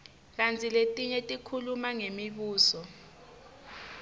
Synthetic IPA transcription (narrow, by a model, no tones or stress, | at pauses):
k̬ant͡sʰʼiletʼiɲetʼikʰulumaŋemiɓuːsɔ